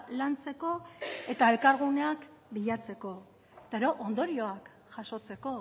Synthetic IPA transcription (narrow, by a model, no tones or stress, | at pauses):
lant͡se̞ko̞e̞t̪ae̞lkaɾɣune̞akbiʎat͡se̞ko̞ | et̪aeɾo̞ʔond̪o̞ɾio̞ak | ʝ̥aʃo̞t͡se̞ko̞